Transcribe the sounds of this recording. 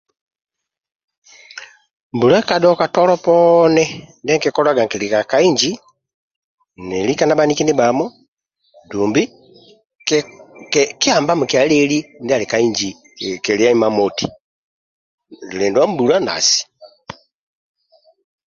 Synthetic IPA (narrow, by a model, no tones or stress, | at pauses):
mbulakadokatoloponendeŋkekolaɡaŋkilikakaiɲd͡ʒi | nelikanaβanikiniβamo | duːmbi | kiaːmbamukjalelindialikaiɲd͡ʒi | keliaimamoti | lileːndwambulana̰si̥